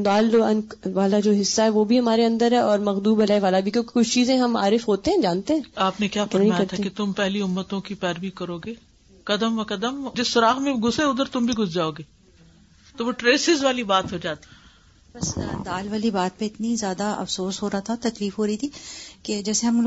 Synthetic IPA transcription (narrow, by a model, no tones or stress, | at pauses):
d̪aːlɐn | ʋaːlad͡ʒoːɦɪsːaɦɛʋoːbʱiɦɐmaːɾeɐ̃nd̪əɾɦɛʔɔːɾmɐɣd̪uːbɐlaːeʋaːlabʱikjõːke̥kʊt͡ʃʰt͡ʃiːzẽɦɐma̰ːɾɪfɦoːt̪eɦɛ̃ːd͡ʒaːnt̪eɦɛ̃ːaːpnekjaːfɐmĩajkjɐɾt̪ʰaket̪ʊmpɛɦliʊmːət̪õkipɛːɾbikɐɾoːɡeː | kɐd̪əmʋɐkɐd̪əmd͡ʒɪsːʊɾaːɣmẽɡʱʊseʊd̪əɾt̪ʊmbʱiɡʱʊsd͡ʒaːoːɡeː | t̪oʋoʈɾeːsɪzʋaːlibaːt̪ɦod͡ʒaːt̪i̥ | bɐsd̪aːlʋaːlibaːt̪̚pẽɪt̪nizjaːd̪aʔɐ̰fsoːsɦoːɾaat̪ʰat̪ɐkliːfɦoːɾɐit̪ʰiked͡ʒɛːseɦɐm